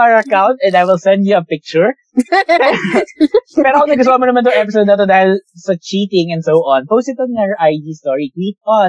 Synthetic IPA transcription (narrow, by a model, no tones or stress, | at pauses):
aɹɐkãwnt̪ɛ̃nd̪ajwɪlsɛ̃nd̪juɐpɪk̚t͡ʃʊɹ | pɛɾokonɐɡʊswamonɐmant̪ʊŋʔɛpɪsowd̪ɐt̪od̪aːhɪlsɐt͡ʃiːt̪ɪ̃ŋɛ̃nd̪sowʔɔ̃npowsɪt̪ɔnaɹʔajd̪iːst̪ɔɹikwiːt̪̚ɔ̃n